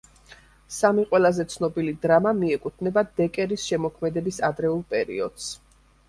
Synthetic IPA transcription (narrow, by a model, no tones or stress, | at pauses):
samiqʼwɛlˠazɛt̪sʰnɔbilid̪ɾamamiɛkʼut̪ʰnɛbad̪ɛkʼɛɾisʃɛmɔkʰmɛd̪ɛbisad̪ɾɛulˠpʼɛɾḭɔd̪̥s